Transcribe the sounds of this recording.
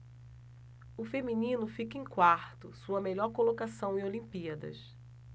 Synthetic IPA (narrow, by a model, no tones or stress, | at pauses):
ʊfemĩnĩnʊfikɐẽkwaɾt̪ʊsuɐmeʎɔɾkolokasɐ̃w̃ɪ̃olĩmpiɐd̪ɐ̰s